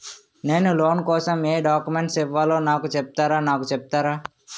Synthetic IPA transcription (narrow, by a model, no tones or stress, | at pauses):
neːnuloːnkɔːsɐmeːɖaːkumeɳʈsiʋːaːloːnaːkut͡ʃep̚t̪aːɾaːnaːkut͡ʃep̚t̪aːɾaː